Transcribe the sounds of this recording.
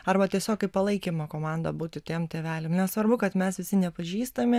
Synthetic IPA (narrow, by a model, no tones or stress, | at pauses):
ɐɾbɐt̪ʲiɛsʲoːkɐɪpɐlˠɐɪkʲimɐkoːmɑnd̪ɐbuːt̪ʲɪt̪ʲeːmt̪ʲeːʋʲæːlʲemnʲɛssʋɐɾbʊkɐt̪mʲɛsʋʲɪsʲɪnʲɛpɐʒʲiːst̪ɐmʲɪ